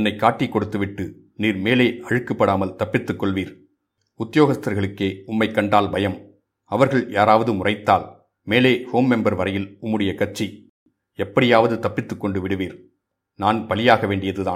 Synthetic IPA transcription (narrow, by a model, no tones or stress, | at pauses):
ɐnːɐɪkːaːʈːikːɔɽɯt̪ːɯʋɪʈːɯ | niːɾmeːleːʔɐɻɯkːɯpːɐɽaːmɐlt̪ɐpːɪt̪ːɯkːɔɭʋiːɾ | ʊt̪ːɪjoːɣɐst̪ɐɾɣɐɭɯkːeːʊmːɐɪkːɐɳɖaːlbɐjɐm | ɐʋɐɾɣɐɭjaːɾaːʋɐðɯmʊrɐɪt̪ːaːl | meːleːhoːmːɛmbɐɾʋɐɾɐjɪlʊmːɯɽɐjɐkɐʈt͡ʃːi | ɛpːɐɽɪjaːʋɐðɯt̪ɐpːɪt̪ːɯkːɔɳɖɯʋɪɽɯʋiːɾ | naːnpɐlɪjaːɣɐʋeːɳɖɪjɐðɯðaː